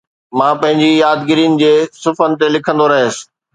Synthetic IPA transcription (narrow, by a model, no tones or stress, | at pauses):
mãːpɐ̃ɦɪ̃ɲd͡ʑijaːd̪ɡɪɾiːʊnɪ̆d͡ʑeːsʊfənɪ̆t̪elɪkʰə̃nd̪oɾɐɦeːsɪ̥̆